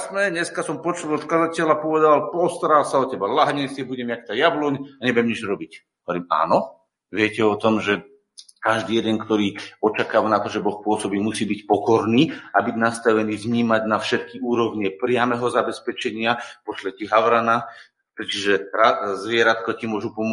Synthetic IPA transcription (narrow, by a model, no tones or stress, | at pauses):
smɛɲɛskasɔmpɔt͡ʃɔlɔt̪kazacɛlapɔʋɛd̪alpɔst̪aɾaːlsaɔcɛbalaɦɲɛsɛbuɟɛmak̚t̪ajablɔɲaɲɛbʊjɛmɲɛd͡ʒɾɔbic | ɔʋɔɾima̰ːnɔ | ʋɪɛcɛɔt̪ɔmʒɛ | kaʒd̪iːjɛd̪ɛŋkt̪ɔɾiːɔt͡ʃakaːʋanat̪ɔʒɛbɔxpʊɔsɔbiːmusiːbicpɔkɔɾniːabiɟnast̪aʋɛniːvɲiːmaɟnafʃɛt̪̚kiʔuːɾɔʋɲɛpɾɪamɛɦɔzabɛspɛt͡ʃɛɲɪapɔslɛtiɦaʊɾana | pɾɛt͡ʃiʒɛɾazʋɪɛɾat̪kɔcimʊɔʒupɔm